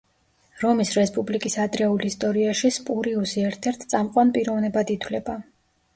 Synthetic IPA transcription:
ɾɔmisɾɛspʼublikʼisad̪ɾɛulist̪ʼɔɾiaʃispʼuɾiusiɛɾt̪ʰɛɾt̪ʰsʼamqʼwanpʼiɾɔvnɛbad̪it̪ʰwlɛba

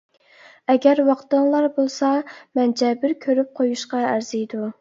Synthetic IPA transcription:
ɛɡʲæɾwɑqt̪ɨŋlˠɑɾbolˠsɑmɛnd͡ʒɛbɪɾkʲʰøɾyp̚qʰojuʃqɑæɾz̥ijd̪u

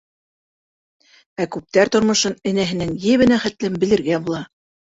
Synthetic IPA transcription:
ækʉp̚t̪æɾt̪ŏɾmŏʃɤnɘ̆næɦɘ̆nɘŋjɘβɘ̆næχæt̪lɘmbɘ̆lɘ̆ɾɡæbulˠɑ

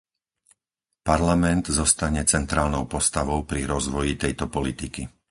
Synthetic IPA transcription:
paɾlamɛnd̪zɔst̪aɲɛt͡sɛnt̪ɾaːlnɔʊpɔst̪aʋɔʊpɾiɾɔzʋɔjit̪ɛjt̪ɔpɔlit̪iki

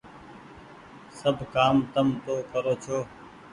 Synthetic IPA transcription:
səbʱkaːmt̪əmt̪oːkəɾoːt͡ʃʰoː

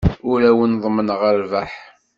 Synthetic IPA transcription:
ʊɾæwənðˤmənʁəɾvaħ

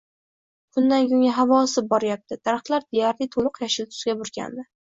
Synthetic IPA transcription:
bʊnd̪anɡʲʊŋʲaɦavɒsɪp̚bɒɾɪjap̚t̪ʰɪd̪̥ʰaɾχq̪lˠaɾd̪ejaɾlit̪ʰolˠʊqjaʃɪlt̪ʰʊ̥sɡʲabʊɾɡʲa̰nd̪ɪ

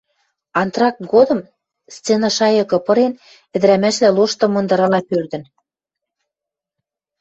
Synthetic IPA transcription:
ɑnt̪rɑk̚ɡod̪ɤ̆m | st͡senɑʃɑjɤ̆kɤ̆pɤ̆ɾen | ɘ̆d̪ɘɾæmæʃlæloʃt̪ɤ̆mɤ̆nd̪ɤ̆ɾɑlɑpørd̪ɘ̆n

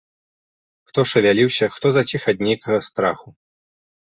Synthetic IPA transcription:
xt̪ɔʂɐvʲalʲiwsʲɐxt̪ɔzɐt͡sʲixɐd̪nʲejkɐɣɐst̪ɾaxu

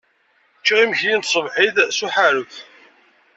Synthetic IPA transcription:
t͡ʃːiʁiməçjint̪sˤəvħiðsuħaɾʊθ

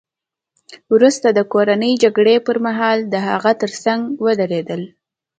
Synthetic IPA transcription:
wɾust̪ad̪əkoɾanəjd͡ʒaɡɽepəɾmaɦɑld̪əɦa̰ɣat̪əɾsaŋɡwəd̪aɾed̪əl

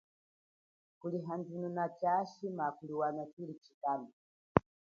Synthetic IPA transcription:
kuliɦandununat͡ʃaʃimakuliwanakilit͡ʃi̥kamu

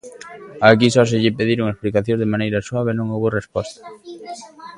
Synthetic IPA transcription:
akisɔs̬ɪʎɪpeðiɾoŋesplikaθjõzðemãnejɾɐswaβenõŋowβorespɔst̪ɐ̥

